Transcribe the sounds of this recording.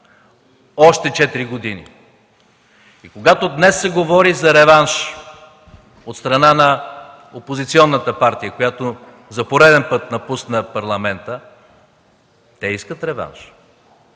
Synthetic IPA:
ɔʃt̪ɛt͡ʃɛt̪iɾiɡod̪inḭ | ikoɡat̪od̪nɛsːɛɡovɔɾizɐɾɛvanʃ | ot̪st̪ɾɐnanɐ | opozit̪siɔnːət̪əpaɾt̪ijəkojat̪o | zɐpoɾɛd̪ɛnpɤt̪nɐpusnəpɐɾlˠɐmɛnt̪ə | t̪ɛiskət̪ɾɛva̰nʃ

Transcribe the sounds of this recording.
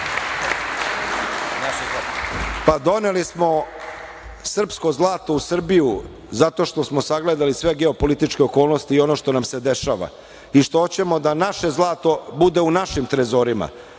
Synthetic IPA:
a | pad̪o̞ne̞lismo̞ | sr̩psko̞zlˠaːt̪o̞usr̩biju | zat̪o̞ʃt̪o̞smosaɡle̞d̪alisʋe̞ɡe̞opo̞lit̪it͡ʃke̞oko̞ːlˠnost̪iːo̞no̞ʃt̪o̞namse̞d̪e̞ʃa̰ːʋa̰ | iʃt̪oot͡ɕe̞mo̞d̪anaʃe̞zlˠaːt̪o̞bud̪e̞unaʃimt̪ɾezo̞ɾima̰

